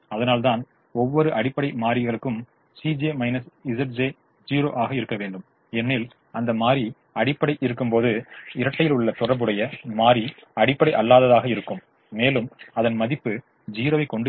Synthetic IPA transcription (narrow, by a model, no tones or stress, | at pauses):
ɐðɐnaːlt̪aːn | ɔʋːɔɾɯʔɐɽɪpːɐɽɐɪmaːɾɪɣɐɭɯkːɯm | siːd͡ʒeːmɐɪnɐsɪsɐʈ̚d͡ʒeː | d͡ʒiːɾo̰ːʔaːɣɐɪɾɯkːɐʋeːɳɖɯm | ɛnːiːl | ɐnd̪ɐmaːɾi | ɐɽɪpːɐɽɐɪʔɪɾɯkːɯmpoːðɯɪɾɐʈːɐjɪlʊɭːɐt̪ʊrɐbɯɽɐjɐmaːɾiɐɽɪpːɐɽɐɪʔɐlːaːðɐðaːɣɐɪɾɯkːɯmː | eːlɯmɐðɐnmɐðɪpːɯ | d͡ʒiːɾoːʋɐɪkːɔɳɖɯ